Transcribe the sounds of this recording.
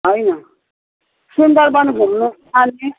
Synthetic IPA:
ɦʌjnʌ | sund̪ʌɾbʌnɡʱulnu | ane

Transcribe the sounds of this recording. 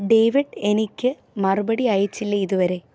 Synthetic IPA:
ɖeːʋiɖe̞nikʲːɨ | mɐrubɐɽiajit͡ɕːilːɐiðuʋɐɾe̞

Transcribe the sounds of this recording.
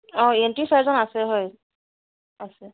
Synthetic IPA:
ɔ̃entisazɔnasɛɦɔj | asɛ

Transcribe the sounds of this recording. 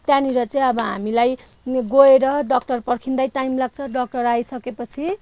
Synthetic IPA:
t̪janiɾʌt͡sʌ̃j̃ʌbʌɦa̰milaj | ɡoeɾʌɖʌk̚ʈʌrpʌrkʰind̪ajʈajmlaɡ̚t͡sʰʌɖʌk̚ʈʌrajsʌkepʌt͡sʰi

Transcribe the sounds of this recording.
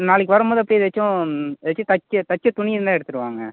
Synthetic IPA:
naːɭɪkːʋɐɾɯmboːðɯɐpːɐɽijɐðʋɛt͡ʃːʊ̃ðɐt͡ʃːʊ̃t̪ɐt͡ʃːɐt̪ɐt͡ʃːɐt̪ʊɳɪjɾnd̪aːɛɽɯt̪ːɯɾɯʋaːŋɡɐ̰

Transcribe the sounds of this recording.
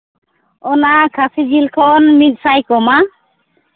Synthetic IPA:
ɔnakʰasid͡ʒilkʰɔnmidsajkɔma

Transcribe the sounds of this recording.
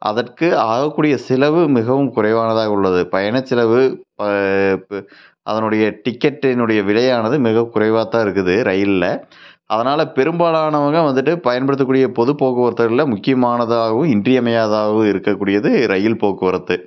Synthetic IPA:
ʔɐ̰ðɐrkɯaːɣɐkːuːɽɪjɐsɪlɐʋɯmɪɣɐʋɯmkʊrɐɪʋaːnɐðaːɣɐʊɭːɐðɯpɐjɐnɐt͡ʃːɪlɐʋɯpɐ | ʔɐ̰ðɐnɯɽɐjɐʈɪkːɐʈːɪnɯɽɐjɐʋɪlɐjaːnɐðɯmɪɣɐʋɯkʊɾɐɪʋaːt̪ːaːɪɾɯkːɯðɯɾɐjɪllːɐʔɐðɐnaːlɐpɛɾɯmbaːlaːnɐʋɐŋɡɐʋɐnd̪ɯʈːɯpɐjɐnpɐɽɯt̪ːɯkːuːɽɪjɐpɔðɯpoːkːɯʋɐɾɐt̪ːɐɾɪlːɐmʊkːɪjɐmaːnɐðɯaːɣɐʋɯ̃mɪndrɪɐmɐjaːðaːɣɯɪɾɯkːɐkːuːɽɪjɐðɯɾɐjɪlpoːkːɯʋɐɾɐt̪ːɯ

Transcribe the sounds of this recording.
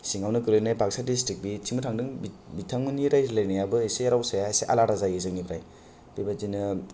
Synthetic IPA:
siŋawnɯkɯɾɯjnajbʱaksadistik̚bit͡ʃʰiŋmɯtʰaŋdɯŋbitʰaŋmɯniɾajlajnajabɯesejaɾawsajaejseʔa̰laɾazajɯzɯŋnibɾaj | b̥ibazinɯ

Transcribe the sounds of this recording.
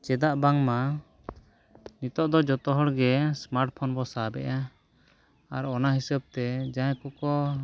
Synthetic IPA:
t͡ʃɛd̪aʔbaŋma | nit̪ɔʔd̪ɔd͡ʒɔt̪ɔɦɔɽɡɛsmaɾʈpʰɔnbɔsabɛ̰ʔa | aɾɔnaɦisəb̚t̪ɛd͡ʒãjkɔkɔ

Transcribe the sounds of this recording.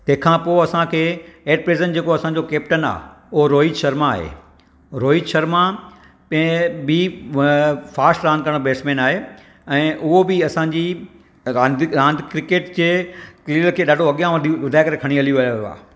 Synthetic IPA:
t̪ɐ̃ɦɪ̃kʰãːpoːɐsãkʰeːeːʈ̚pɾeːzənd͡ʑeːkoɐsãɲd͡ʑokeːp̚ʈəna̰ː | ʊɦoɾoːid͡ʑʃɐɾmaːɦḛː | ɾoːid͡ʑʃɐɾmã | pɐ̃bi | faːsʈɾãːnd̪̚kɐɾɽ̃beːsmẽːnaːɦeː | ɛ̃ːʔʊɦobɪɐsãɲd͡ʑi | ɾãːnd̪ɾãːnd̪ʱkɾɪkeːʈd͡ʑeːkliːlkʰeːɗaːɖʱoɐɠijãʋd̪ʱʋɐd̪ʱaːɪkɐɾekʰɐɽ̃iɐlijuʋɐjooa̰ː

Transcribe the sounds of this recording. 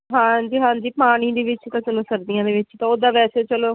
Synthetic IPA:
ɦãːd͡ʒiːɦãːd͡ʒiːpaːɽ̃iːd̪eːʋɪt͡ʃt̪ãːt͡ʃəloːsəɾd̪ijãːd̪eːʋɪt͡ʃt̪ãːoːd̪aːʋɛːseːt͡ʃəloː

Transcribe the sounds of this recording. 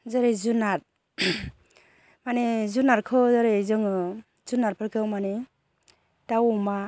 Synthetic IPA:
zaɾezunaɾ | manezunaɾkʰɯzaɾezɯŋɯ | zunaɾpʰaɾkʰɯwmani | dawuma

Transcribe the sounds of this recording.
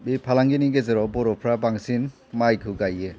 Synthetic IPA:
bipʰalaŋɡiniɡezeɾɔbɔɾɔpʰɾabaŋsin | majkʰɯɡaje

